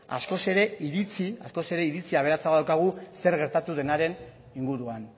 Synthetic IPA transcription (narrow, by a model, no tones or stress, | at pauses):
a̰sko̞se̞ɾe̞iɾit͡siasko̞se̞ɾe̞iɾit͡siaβ̞e̞ɾat͡saɣoðawkaɣ̞use̞ɾɣe̞ɾt̪at̪uðe̞naɾe̞n | iŋɡuɾuan